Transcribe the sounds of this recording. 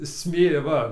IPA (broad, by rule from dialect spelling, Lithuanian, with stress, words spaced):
ˈsʲmʲeː ˈʋɐ